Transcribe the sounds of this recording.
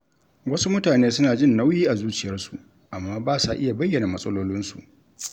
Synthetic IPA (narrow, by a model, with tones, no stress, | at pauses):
wɐ˦su˦mʊ˦taː˨neː˦sʊ˦naː˨d͡ʒɪ˦˨nːa˦wjiː˦ʔa˨zuː˦t͡ʃɪ˨jɐ˦rsu̥˨ʔ | ʔa˨mːaː˦baː˦sa˨ʔɪ˦ja˨bɐ˦jːɐ˨naː˨mɐ˦sʼɐ˦loː˦lɪ˦nsṵ˨ʔ